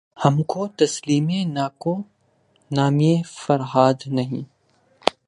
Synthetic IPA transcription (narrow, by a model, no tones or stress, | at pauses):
hɐmkot̪ɐsliːmenaːko | naːmiefɐɾɦaːd̪nɐɦĩː